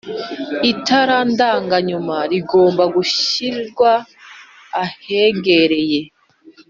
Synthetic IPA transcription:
itaɾandaːŋɡaɲumaɾiɡo̞ːmbaɡuɕiɾɡwaː | he̞ɡe̞ɾe̞je̞

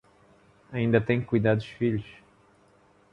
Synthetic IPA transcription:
ɐĩnd̪ɐt̪ẽj̃kujd̪ad̪uʃfiʎuʃ

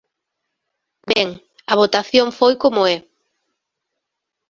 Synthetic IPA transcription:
bɛŋ | ɐβ̞ot̪aθjoŋfojkomʊɛ

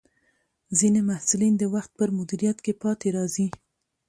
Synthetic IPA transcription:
zinemahsʊlind̪əwaxt̪̚pəɾmʊd̪iɾijat̪kepɑt̪eɾɑzi

